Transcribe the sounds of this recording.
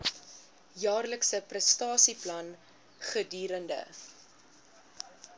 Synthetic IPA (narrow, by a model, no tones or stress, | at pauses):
jɑːrləksəprəstɑːsiplɐn | χədyːɾəndə̰